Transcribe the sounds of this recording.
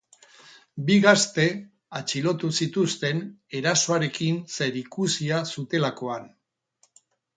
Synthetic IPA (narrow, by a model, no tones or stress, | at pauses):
biɣast̪e̞ | at͡ʃilo̞t̪usit̪ust̪e̞ne̞ɾaso̞aɾe̞kinse̞ɾikusiasut̪e̞lako̞an